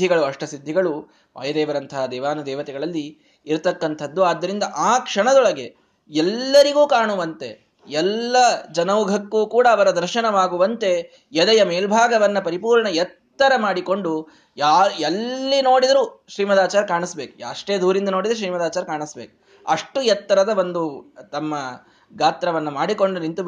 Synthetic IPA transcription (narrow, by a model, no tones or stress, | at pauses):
iɡɐɭuɐʂʈɐsid̪ʱːiɡɐɭu | ʋʔɐ̰ːjɐd̪ɛːʋɐɾɐnt̪ʰɐɦad̪ɛːʋaːnud̪ɛːʋɐt̪ɛɡɐɭɐlːiː | ɾt̪ɐkːɐnt̪ʰɐd̪ːuaːd̪ːɐɾind̪ɐʔaːkʂɐɳɐd̪ɔɭɐɡe̞ | ɛlːɐɾiɡuːkaːɳuʋɐnt̪e̞ | ɛlːɐd͡ʒɐnɐʋɡʱɐkːuːkuːɽɐːʋɐɾɐd̪ɐɾʃɐnɐʋaːɡuʋɐnt̪e̞ | jɛd̪ɐjɐmeːlbʱaːɡɐʋɐnːɐpɐɾipuːɾɳɐjɛt̪ːɐɾɐmaːɽiko̞ɳɖu | jaːɛlːino̞ːɽid̪ɐɾuʃɾiːmɐd̪aːt͡ʃaːɾɐkaːɳisbeːkuɐʂʈe̞ːd̪ʱuːɾind̪ɐno̞ːɽid̪ɾuʃ̬ɾiːmɐd̪aːt͡ʃaːɾɐkaːɳisbḛːku̥ | ɐʂʈujɛt̪ːɐɾɐd̪ɐʋond̪ut̪ɐmːɐ | ɡaːt̪ɾɐʋɐnːɐmaːɽiko̞ɳɖunint̪u